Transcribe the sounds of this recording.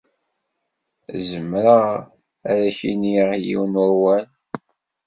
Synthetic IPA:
zəmːɾə | æɾæçiniʁjḭwnwæwæl

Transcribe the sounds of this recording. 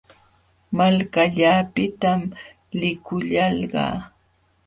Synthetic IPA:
malkaʎaːpɪt̪am | lɪkʊʎɑlɢɑ̰ː

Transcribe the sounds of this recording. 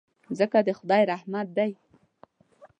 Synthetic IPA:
zəkad̪əxʊd̪ɑjɾahmat̪̚d̪aj

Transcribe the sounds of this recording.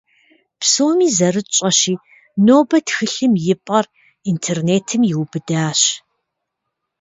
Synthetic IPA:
psoːmiːzɐrɨt͡ʃʼɐɕiː | noːbɐtxɨɬɨmjɪpʼɐr | intʰeːrneːtʰɨmjɪwbɨdaːɕ

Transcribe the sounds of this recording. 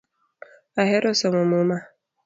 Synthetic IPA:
aɦeɾɔsɔmʊmʊma

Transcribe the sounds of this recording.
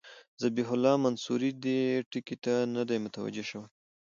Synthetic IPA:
zabiɦʊlɑmansuɾid̪eʈikit̪anad̪ajmʊt̪awa̰d͡ʒeʃəwaj

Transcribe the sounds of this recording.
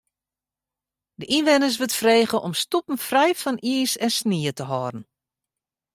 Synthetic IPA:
dəʔinʋɛnəs̬ʋətfreːɣəʔɔmstupən̩frɛjfɔniəsɛnsniətəɦɔːdən̩

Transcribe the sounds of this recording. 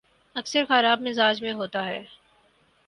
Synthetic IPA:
ɐksəɾxɐɾaːb̚mɪzaːd͡ʒmẽɦoːt̪aɦɛː

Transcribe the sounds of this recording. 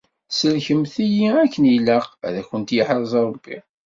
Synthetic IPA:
səlçəmθijiækːəniləqæðæçənt̪jəħɾˤzˤɑɾˤəbːi

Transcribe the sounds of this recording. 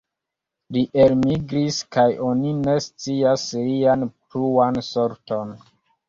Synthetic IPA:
liʔelmiɡɾiskajʔo̞nine̞st͡siaslianpɾuanso̞ɾto̞n

